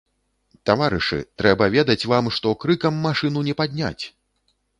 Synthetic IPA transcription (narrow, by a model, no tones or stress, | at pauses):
t̪avaɾɨʂɨ̰t̪ɾɛbɐvʲɛd̪ɐt͡sʲvamʂt̪ɔkɾɨkɐmːaʂɨnunʲɛpad̪ʲnʲa̰t͡sʲ